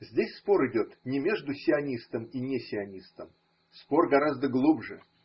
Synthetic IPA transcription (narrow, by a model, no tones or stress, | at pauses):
zʲdʲesʲspo̞ɾɨdʲo̞t̪nʲɪmʲe̞ʐd̪ʊsʲɪɐnʲist̪əminʲesʲɪɐnʲist̪əm | spo̞rɡɐɾazd̪əɡlˠubʐɨ